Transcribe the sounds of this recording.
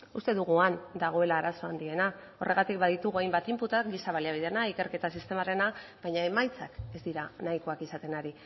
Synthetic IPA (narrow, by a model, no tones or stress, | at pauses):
ust̪e̞ðuɣuand̪aɣ̞o̞e̞laːɾaso̞and̪ie̞na | o̞rʔe̞ɣ̞at̪ikbaðit̪uɣuajmbat̪imput̪ak̚ɡisaβaliaβ̞iðe̞naike̞ɾke̞t̪asist̪e̞maɾe̞nab̥ajɲae̞majt͡sake̞zd̪iɾanajko̞akisat̪e̞naɾi